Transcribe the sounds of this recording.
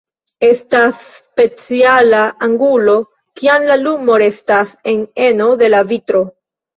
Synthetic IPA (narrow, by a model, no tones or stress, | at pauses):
e̞stasːpe̞t͡sialaʔaŋɡulo̞ | kiamlalumo̞ɾe̞stase̞ne̞no̞de̞lavitɾo̞